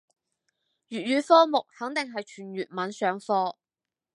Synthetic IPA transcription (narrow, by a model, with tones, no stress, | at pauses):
jyː˨t̚ɥyː˨fɔː˥mʊ˨k̚hɐ˨˥ŋt̪ɪ˨ŋɦɐ˨jt͡ʃʰyː˨˩nɥyː˨t̚mɐ˨˥nsœː˨˥ŋfɔː˥